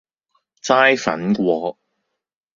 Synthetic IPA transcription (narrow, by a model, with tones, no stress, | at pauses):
t͡saː˥jfɐ̰˨˥nkʷɔː˨˧